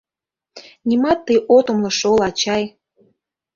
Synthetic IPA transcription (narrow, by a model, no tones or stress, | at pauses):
nʲimɑt̪ːəjʔot̪omlɤ̆ʃolɑt͡ɕɑj